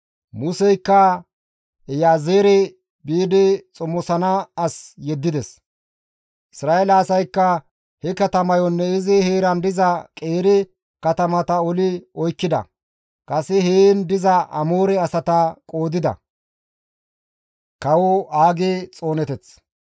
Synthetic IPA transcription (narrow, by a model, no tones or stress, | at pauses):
mʊsɛjkːɐ | ɛjaːzeːɾɛ | biːd̪ɪt͡sʼʊmːɔsɐnɐɐsjɛd̪ːɪd̪ɛs | ʔɪsɾaːelɐːsɐjkːɐ | hɛkɐt̪ɐmɐjɔnːɛɪzɛheːɾɐnd̪ɪzɐkʼe̞ːɾɛ | kɐt̪ɐmɐt̪ɐɔlɪɔjkːɪd̪ɐ̰ | kʼɐsɛheːnd̪ɪzɐʔɐ̰moːɾɛɐsɐt̪ɐkʼoːd̪ɪd̪ɐ̰ | kɐwɔaːɡeːt͡sʼo̞ːnɛt̪ɛt͡s